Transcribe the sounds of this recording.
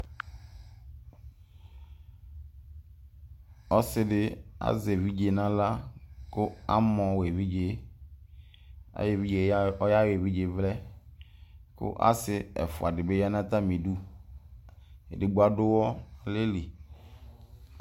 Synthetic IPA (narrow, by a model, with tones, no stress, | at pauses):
ɔ˦sɪ˦dɪ˦a̰˦ze˨vi˦d͡ʒe˨nã˦la˦kʊ˦a˦mɔ̃˨we˨vi˦d͡ʒe˨ | a̰˦je˨vi˦d͡ʒe˨ɔ˦ja˦we˨vi˦d͡ʒe˨vlɛ˦ | kʊ̰˦ʔa̰˦sɪ˦ɛ̰˨fʊ̰˨a˨dɪ˨be˦ja˦nã˦t̪a˦mĩ˨du˦ | ḛ˨dɪ˨ɡ͡bu˦a˦dʊ˦wɔ˦˨le˦li˨